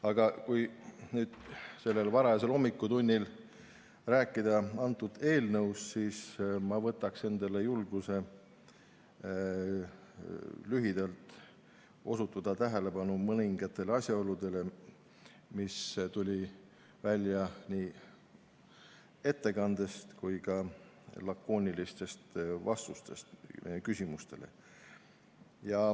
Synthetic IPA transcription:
ɑɡ̥ɑkujnyːd̪̥se̞lːe̞lvɑɾɑɑse̞lo̞mːikːˑud̪unʲːil | ræːkːˑid̪̥ɑɑnt̪ːˑud̪̥e̞ːlnɤwssiːsmɑvɤt̪ːˑɑkse̞nd̪ele̞julɡ̥use̞ | lyɦid̪̥ɑlt̪ˑ | o̞sut̪ːˑud̪̥ɑt̪æɦele̞bɑnumɤniŋɡ̥ɑt̪ːˑe̞leɑsʲjɑo̞lud̪̥e̞le̞ | mist̪ulʲi | vælʲjɑnʲiː | e̞t̪ːe̞kɑnd̪̥e̞st̪kujɡɑ | lɑkːo̞ːnʲilist̪e̞st̪vɑst̪ust̪e̞st̪kysʲimust̪e̞̰le̞̰ | jɑ

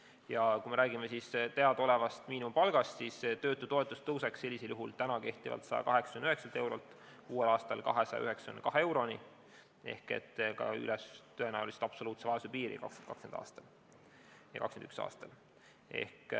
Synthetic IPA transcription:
jɑkuime̞ɾæːɡimesist̪eɑd̪̥o̞le̞vɑst̪miːnumpɑlɡ̥ɑst̪sist̪ø̞ːt̪ːˑut̪o̞et̪ːˑust̪ɤwseksːe̞lʲːiseljuɦult̪ænɑke̞ht̪ivɑ̰lt̪sɑjɑ̰kɑɦe̞ksɑ̥kymnyɦeksɑlt̪e̞wɾo̞̰lt̪ːˑ | kuːe̞lɑːst̪ɑlkɑ̰ɦesɑjɑ̰yɦeksɑ̥kymnkɑɦeewɾo̞ni | e̞̰hke̞̰t̪ːkɑ̰y̰lest̪øenæːulisi̥t̪ɑpso̞luːt̪sevɑesupiːɾḭkɑksent̪kɑkskend̪̥ɑ̰ːst̪ɑ̥l | jɑ̰kɑkskenyksɑ̰ːst̪ɑl | e̞̰hk

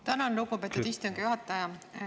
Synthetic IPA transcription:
t̪ænɑnɾukːupet̪ːod̪ist̪oŋkjuɦɑt̪ːˑɑjɑ

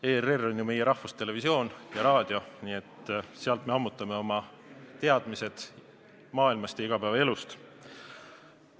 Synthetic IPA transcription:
eːrerːo̞nʲjume̞jeɾɑhfust̪e̞le̞visio̞ːnjɑɾɑːd̪̥jo̞niːe̞t̪ːseɑlt̪me̞ɑmːut̪ːˑɑme̞o̞mɑ | t̪e̞ɑd̪̥mise̞d̪̥ | mɑːilmɑst̪jɑiɡ̥ɑpæːvɑe̞lust̪

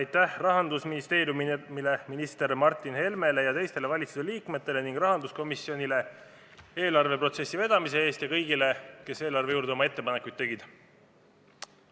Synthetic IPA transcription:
ɑjt̪ːæhrɑɦɑnd̪usminist̪e̞ːɾjummile̞minist̪e̞ɾmɑrt̪ːˑinhe̞lmele̞jɑt̪e̞jst̪e̞le̞vɑlʲit̪suseliːkme̞t̪ːˑe̞le̞niŋɡ̥rɑɦɑnd̪usko̞misːio̞nile̞ | e̞ːlɑrve̞pro̞t̪se̞sːive̞d̪̥ɑmise̞e̞ːst̪jɑkɤ̞jɡile̞ke̞se̞ːlɑrve̞juːɾd̪eo̞mɑe̞t̪ːe̞pɑne̞kˑujd̪ːe̞ɡid̪̥

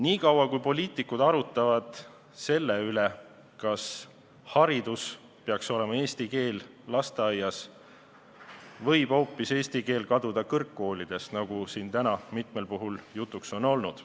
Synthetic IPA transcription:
niːkɑwɑkujpo̞lʲiːt̪ˑikːud̪̥ɑɾut̪ːˑɑvɑd̪̥ | se̞lːeyle | kɑs | hɑɾid̪̥us | peɑkso̞le̞mɑe̞ːst̪ike̞ːlː | ɑst̪eɑjːɑs | vɤ̞jb̥o̞ːpːˑise̞ːsʲt̪ike̞ːlkɑd̪ud̪̥ɑkɤrkːo̞ːlid̪̥e̞st̪nɑɡ̥usiːnt̪ænɑmit̪me̞lpuɦuljut̪ːˑukso̞no̞lnud̪̥

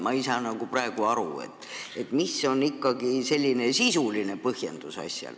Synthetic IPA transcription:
mɑisɑnɑɡ̥upɾɑeɡ̥uɑɾṵe̞̰t̪ːˑe̞t̪ːˑmisːo̞nikːɑɡise̞lʲːine̞sisuline̞pɤhjend̪̥usɑ̰sʲjɑ̰l

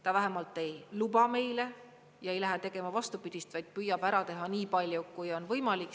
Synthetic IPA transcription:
t̪ɑvæɦemɑlt̪ːˑe̞jlubɑme̞jle | jɑe̞jlæɦet̪e̞ɡ̥e̞mɑvɑst̪upid̪̥ʲist̪vɑjd̪̥̚pyjːɑb̥æɾɑt̪e̞ɦɑniːpɑlʲjukujo̞nvɤjmɑlikˑ

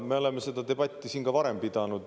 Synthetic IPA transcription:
me̞o̞le̞mːese̞d̪ɑd̪e̞b̥ɑt̪ʲːisiːnkɑvɑɾe̞mpid̪̥ɑnud̪

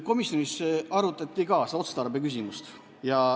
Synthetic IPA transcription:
ko̞misjonisɑɾut̪ːˑɑt̪ʲːikɑːso̞t̪set̪ɑɾbekys̬ʲimust̪ | jɑ

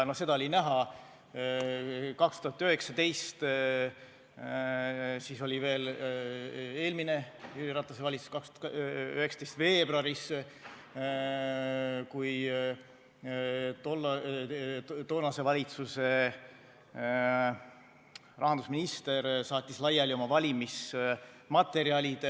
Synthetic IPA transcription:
nose̞d̪ɑolʲinæɦɑ | kɑkst̪uhɑt̪ːˑyɦe̞ksɑd̪e̞jst̪ | siso̞lʲive̞ːl | e̞ːlmine̞iiɾɑt̪ːˑɑseɑlʲit̪su̥skɑksøhekst̪ejst̪ve̞ːbɾɑɾis | kuj | t̪ol | t̪o̞ːnɑse̞vɑlʲit̪suse̞ | rʔɑɦɑnd̪usminist̪e̞ɾsɑːt̪ʲːˑislɑjɑlʲio̞mɑvɑlʲimis | mɑt̪ːˑe̞ɾiɑlʲid̪̥

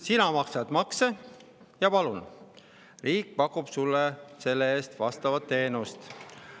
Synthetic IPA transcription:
sinɑmɑksed̪mɑkse | jɑpɑlun | riːkːpɑkːˑub̥sulːese̞lːee̞ːst̪vɑst̪ɑvɑt̪ːe̞ːnust̪

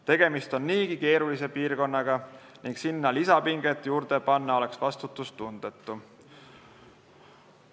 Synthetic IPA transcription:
t̪e̞ɡ̥e̞mist̪o̞nːiːɡ̥ike̞ːɾulise̞piːrko̞nːɑɡ̥ɑ | niŋksinːɑlisɑpiŋɡ̥e̞t̪ːˑjuːɾd̪̥e̞pɑnːɑo̞le̞ksvɑst̪ut̪ːˑust̪und̪̥et̪ˑːu

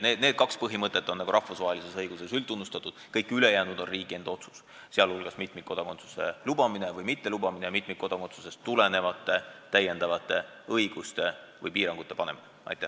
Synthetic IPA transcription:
ned̪ned̥̪̚kɑkspɤɦimɤt̪ːˑe̞t̪ːˑonːɑɡuɾɑfusvɑɦelise̞sɤjɡ̥use̞sylunːust̪ɑt̪ːˑud̪̥kɤjkːˑyle̞jæːnud̪̥o̞nriːɡ̥ie̞nd̪̥o̞t̪su̥s | seɑlhulɡ̥ɑsmit̪ˑmikko̞d̪̥ɑko̞nt̪su̥se̞̰lubɑminevɤjmit̪ːe̞lubɑminejɑmit̪ˑmik̚ko̞d̪̥ɑko̞nt̪suse̞st̪ːulene̞vɑt̪ːˑe̞t̪æje̞nd̪ɑvɑt̪ːˑe̞ | ɤjɡ̥ust̪e̞ | vɤjpiːɾɑŋɡ̥ut̪ːˑe̞pɑne̞̰min | ɑ̰jt̪ːˑæ

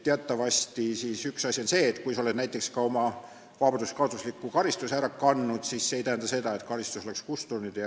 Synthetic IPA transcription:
t̪eɑt̪ːˑɑvɑsʲt̪isiːsyksɑsʲionse̞ːt̪kujsɑoled̥̪næjt̪ːˑe̞kskɑo̞mɑ | vɑbɑnd̪uskɑd̪uslikːˑukɑɾist̪usæɾɑkɑnːud̪̥sisːeejt̪æhænd̪̥ɑse̞d̪ɑe̞t̪kɑɾist̪uso̞le̞kskust̪unid̪̥jɑ

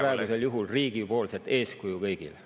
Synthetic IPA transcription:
ɾɑˑeɡ̥use̞ljuɦulriːɡ̥ipo̞ːlset̪e̞ːskujukɤjɡ̥ḭl

